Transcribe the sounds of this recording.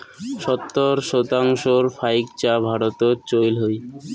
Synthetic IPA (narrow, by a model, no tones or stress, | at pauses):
ʃɔt̪ːoɾʃot̪aŋʃoɾfajkt͡ɕabʱaɽot̪ot͡ɕojlɦoj